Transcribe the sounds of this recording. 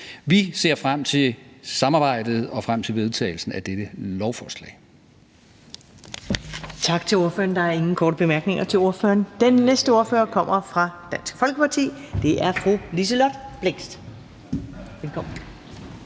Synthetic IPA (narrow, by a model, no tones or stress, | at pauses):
ʋise̝ɐ̰fʁam̰t͡sʰe̝lsɑ̈mɑ̈ːb̥ɑ̈ɪ̰d̥ð̞̩ˠɒ̽fʁam̰t͡sʰe̝lʋe̝ð̞ˠt͡sʰɛ̰ːɪl̩sn̩æd̥ed̥əlɒʊfɒːslɛ̰ːɪ | t͡sʰɑ̈ɡ̥t͡sʰe̝lo̝ɐfø̰ːɐnd̥ɑ̈æɐe̝ŋn̩kʰɒːdɾəb̥e̝mæɐɡ̥ne̝ŋʔɐt͡sʰe̝lo̝ɐfø̰ːɐnd̥enːesd̥əo̝ɐfø̰ːɐkʰɒ̽m̰ɐfʁɑ̈d̥æn̰sɡ̥fɒ̽lɡ̥əpʰɑ̈t͡sʰḭːd̥e̝ʔæɐfʁṵlis̬əlɒd̥b̥leŋsd̥ | ʋelkʰɒ̽m̰n̩